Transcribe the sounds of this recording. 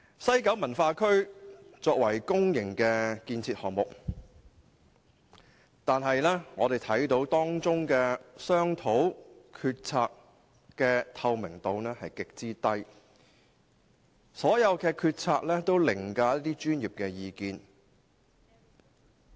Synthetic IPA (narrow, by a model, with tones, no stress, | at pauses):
sɐ˥jkɐ˨˥wmɐ˨˩nfaː˧kʰɵ˥ɥt͡sɔː˧k̚wɐ˨˩jkʊ˥ŋjɪ˨˩ŋkɛː˧kiː˧nt͡sʰiː˧t̚hɔː˨ŋmʊ˨k̚ | t̪aː˨nɦɐ˨jlɛː˥ŋɔː˨˧d̪e˨jt̪ʰɐ˨˥jt̪o˨˥wt̪ɔː˥ŋt͡sʊ˥ŋkɛː˧sœː˥ŋt̪ʰo˨˥wkʰyː˧t̚t͡sʰaː˧k̚ | kːɛː˧t̪ʰɐ˧wmɪ˨˩ŋt̪o˨˧wnɛː˥hɐ˨jkɪ˨k̚t͡siː˥t̪ɐ˥j | sɔː˨˥jɐ˨˧wkʰɛː˧kʰyː˧t̚t͡sʰaː˧k̚lɛː˥t̪o˥wlɪ˨˩ŋkaː˧ɐ˥t̪iː˥t͡ʃyː˥njiː˨˩p̚kɛː˧jiː˨˧kiː˧n